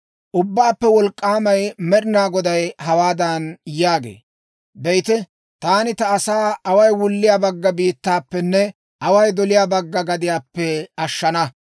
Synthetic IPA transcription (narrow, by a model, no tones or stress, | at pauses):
ʔʊbːaːpːɛwɔlkʼːaːmɐjmɛɗɪnaːɡɔd̪ɐjɦɐwaːd̪ɐnjaːɡḛː | bɛjt̪ɛ | t̪aːnɪt̪ɐːsaːɐwɐjwʊlːɪjaːbɐɡːɐbiːt̪ːaːpːɛnːɛ | ʔɐwɐjd̪ɔlɪjaːbɐɡːɐɡɐd̪ɪjaːpːɛɐʃːɐnɐ